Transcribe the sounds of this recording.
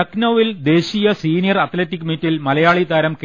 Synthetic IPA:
ɐknoːʋild̪e̞ːɕijɐsiːnijɐrɐt̪letːikːmitːilmɐlɐjaːɭid̪aːɾɐmk

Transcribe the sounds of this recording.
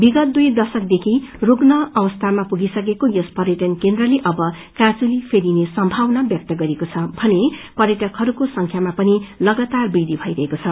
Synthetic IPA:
biɡʌt̪̚d̪ujd̪ʌsʌk̚d̪ekʰiroɡnʌʌbʌst̪ʰamapuɡisʌkekojospʌɾjeʈʌnkend̪rʌleʔʌbʌ | kãt͡sulipʰeɾinesʌmbʱawnabjʌk̚t̪ʌɡʌɾekot͡sʰʌbʱʌnepʌɾjʌʈʌkɦʌɾukosʌŋkʰjamapʌnilʌɡʌt̪arbid̪ʱibʱʌjɾʌɦekot͡sʰʌ

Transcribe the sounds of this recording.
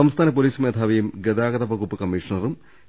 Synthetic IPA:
ɐmst̪ʰaːnɐp̬oliːsumeːd̪ʱaːʋɐjumɡed̪aːɡɐd̪ɐbɐɡupːɨkɐmːiːʂɐnɐrum

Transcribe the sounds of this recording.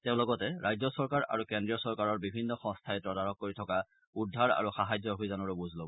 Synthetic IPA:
tɛʊ̃lɔɡɔtɛɹʔajzɔsɔɹkaɹa̰ɹukɛndɹijɔsɔɹkaɹɔɹbibʱinːɔxɔ̃ŋstʰaɛpɹɔdaɹɔk̚ːoɹitʰɔka | udʱaɹa̰ɹuxaɦajzɔɦojzanɔɹɔbuzʱlo

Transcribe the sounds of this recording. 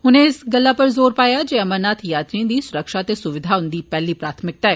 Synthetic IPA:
hʊnẽɪsɡəlːaːpɐɾzoːɾpaːjaːd͡ʒeːəməɾnaːt̪ʰjaːt̪ɾiə̃d̪iːsʊɾəkʃaːt̪eːsʊʋɪd̪ʱaːʊnd̪iːpɛːliːpɾaːt̪ʰmɪk̚t̪aːɦɛː

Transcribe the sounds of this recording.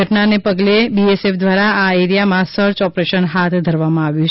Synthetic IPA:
əʈnanepəɡlebiesefd̪ʋaɾaːeɾijamãsəɾt͡ʃɔpɾeʃənɦat̪ʰd̪ʱəɾʋamãaʋjũ

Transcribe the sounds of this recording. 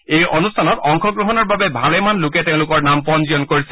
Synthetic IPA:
ejʔonustʰanɔtɔŋkʰɔɡɹoɦɔnɔɹbabɛbʱalɛmanlʊkɛtɛʊ̃lʊkɔɹnampɔnzijɔnkoɹis

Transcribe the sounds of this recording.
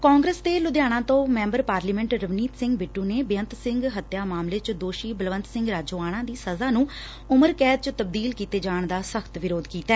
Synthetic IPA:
kaːŋɡɾəsd̪eːlʊd̪jaːɽ̃ãːt̪õːmɛ̃ːmbəɾpaːɾliːmɛ̃ɳʈɾəʋniːt̪sɪ̃ŋɡbeːʈːũːneːbɪjənt̪sɪ̃ŋɡɦət̪jaːmaːmleːt͡ʃd̪oːʃiːbəlʋənt̪sɪ̃ŋɡɾaːd͡ʒoːaːɽ̃ãːd̪iːsəzaːnũː | ʊməɾkɛːd̪̚t͡ʃt̪əb̚d̪iːlkiːt̪eːd͡ʒaːɳd̪aːsəkʰt̪ʋɪɾoːd̪kiːt̪aɛ

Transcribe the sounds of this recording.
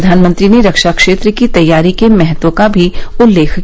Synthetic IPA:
d̪ʱaːnmə̃nt̪ɾineɾɐkʃakʃeːt̪ɾəkit̪ɐjːaːɾikemɛɦət̪wõkabʱiʊlːeːkʰk

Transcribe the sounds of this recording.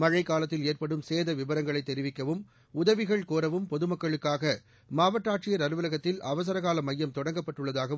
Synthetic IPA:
mɐɻɐɪkːaːlɐt̪ːɪleːrpɐɽɯmseːðɐʋɪbɐɾɐŋɡɐɭɐɪt̪ːɛɾɪʋɪkːɐʋɯm | ʊðɐʋɪɣɐɭkoːɾɐʋɯmpɔðɯmɐkːɐɭɯkːaːɣɐ | maːʋɐʈːaːʈt͡ʃɪjɐɾɐɾɯʋɐlɐɣɐt̪ːɪlɐʋɐs̬ɐɾɐɣaːlɐmɐjːɐmt̪ɔɽɐŋɡɐpːɐʈːɯɭːɐðaːɣɐ

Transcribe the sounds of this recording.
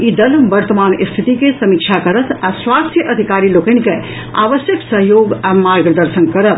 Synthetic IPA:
id̪ɐlʋəɾt̪əmaːnst̪ʰit̪ikesɐmik̚t͡ʃʰakəɾət̪ʰaswast̪ʰjəʔəd̪ʱikaːɾilokənke | a̰ːʋəsjəksəɦjoːɡamaɾɡɾəd̪əɾsənkəɾəp

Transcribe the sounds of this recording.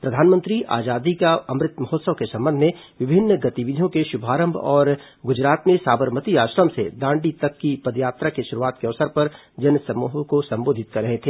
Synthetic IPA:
pɾɐd̪ʱaːnmə̃nt̪ɾiʔa̰ːd͡ʒaːd̪ikaɐmɾɪt̪mɐɦot̪səʋkesɐ̃mbə̃nd̪ʱmẽʋɪbʱɪnːɡɐt̪iʋɪd̪ʱijõkeʃʊbʱaːɾə̃mbʱɔːɾ | ɡʊd͡ʒɾaːt̪mẽsaːbəɾmət̪iaːʃɾəmsḛd̪ãːɳɖit̪ɐkːipɐd̪jaːt̪ɾakeʃʊɾuaːt̪keɐʋsəɾpɐɾ | d͡ʒɐnsɐmuːɦkosɐ̃mboːd̪ʱɪt̪̚kɐɾːɐɦet̪ʰeː

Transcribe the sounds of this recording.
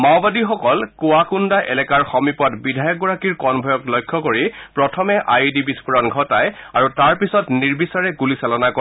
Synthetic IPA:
mawbadixɔkɔlkʊwakundaʔɛ̰lɛkaɹxɔmipɔtbidʱajɔk̚ɡɔɹakiɹkɔnbʱɔjɔklɔjkʰːɔkoɹipɹɔtʰɔmɛʔajdibispuɹɔnɡʱɔtajaɹutaɹpisɔtniɹbisaɹɛɡulisɛlɔnakɔ

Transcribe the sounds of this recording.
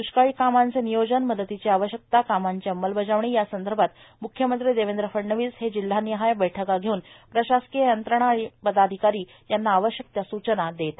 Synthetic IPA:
d̪uɕkaɭiːkamant͡senijod͡ʑənməd̪ət̪it͡ɕeaʋəɕjək̚t̪akamaɲt͡ɕeəmːəlbəd͡ʑaʋɳiːjasənd̪əɾbʱat̪ | mukʰjəmənt̪ɾiːd̪eʋend̪ɾəfəɽɳəʋiːshed͡ʑil̤ːaniɦajbɛʈʰəkaɡʱeuːnpɾəɕaskijəjənt̪ɾəɳ̃aːɽ̃ipəd̪ad̪ʱikaɾiː | janːaːʋəɕjək̚t̪jasut͡ɕənad̪et̪a

